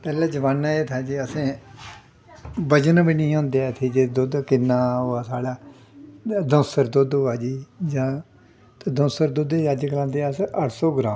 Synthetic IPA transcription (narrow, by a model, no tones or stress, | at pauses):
pɛːlãːd͡ʒəʋaːnːaːeːt̪ʰaːd͡ʒiːəsẽː | bəd͡ʒənbiːnĩːõːnd̪eɛt̪ʰeːd͡ʒeːd̪od̪kɪnːaːɦoaːsaːɽaː | d̪ə̃səɾd̪od̪oːaːd͡ʒiːd͡ʒãː | t̪ad̪õsəɾd̪ʊd̪eːaːd͡ʒkəlãːnd̪eːsʔəʈʰsɔːɡɾãː